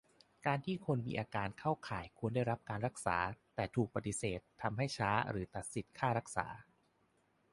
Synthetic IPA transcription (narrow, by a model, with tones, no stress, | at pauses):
kaː˧nt̪ʰiː˥˩kʰo˧nmḭː˧ʔaː˧kaː˧nkʰa˥˩wkʰaː˩˦jkʰu˧ənda˥˩jɾa˦˥p̚kaː˧nɾa˦˥k̚sa̰ː˩˦t̪ɛː˨˩t̪ʰuː˨˩k̚pa˧t̪i˨˧˩seː˨˩t̪ʰːa˧mɦa˥˩jt͡ɕʰaː˦˥ɾɯː˩˦t̪a˨˩t̪̚si˨˩t̪kʰaː˥˩ɾa˦˥k̚sa̰ː˩˦